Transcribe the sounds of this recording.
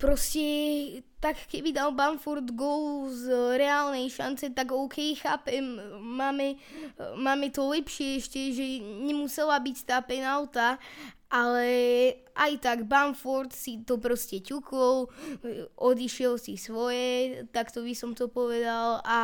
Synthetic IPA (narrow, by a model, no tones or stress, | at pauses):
pɾɔscɛt̪akːɛbid̪albanfɔɾd̪ɡɔluzɾɛaːlnɛjʃa̰nt͡sɛt̪aɡɔʊkʰɛjxaːpɛmːaːmɛ | maːmɛt̪ɔlɛpʃɪɛɛʃcɛʒɛɲɛmusɛlabict̪aːpɛnalt̪a | ʔalɛ | ʔajt̪aɡbanfɔɾt̪sit̪ɔpɾɔscɛcukɔl | ʔɔd̪iʃɪɛlsisʋɔjɛt̪akt̪ɔbisɔmt̪ɔpɔʋɛd̪ala